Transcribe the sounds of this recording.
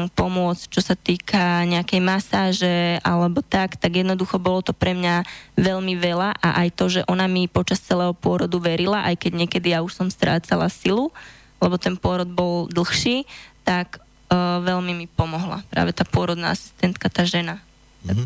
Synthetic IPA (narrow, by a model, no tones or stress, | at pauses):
pɔmʊɔt͡st͡ʃɔsat̪iːkaɲɛakɛjmasaːʒɛalɛbɔt̪akt̪aɡjɛd̪nɔd̪uxɔbɔlɔt̪ɔpɾɛmɲaʋɛʎmiʋɛlaʔa̰ʔajt̪ɔʒɛʔɔnamipɔt͡ʃast͡sɛlɛːɦɔpʊɔɾɔd̪uʋɛɾilaʔajkɛɟɲɛkɛd̪ijauʃsɔmst̪ɾʔa̰ːt͡sala̰silu | lɛbɔt̪ɛnpʊɔɾɔd̪̚bɔld̪l̩xʃiːt̪ak | ʋɛʎmimipɔmɔɦla̰pɾa̰ːʋɛt̪aːpʊɔɾɔd̪na̰asi̥st̪ɛnt̪kat̪aːʒɛna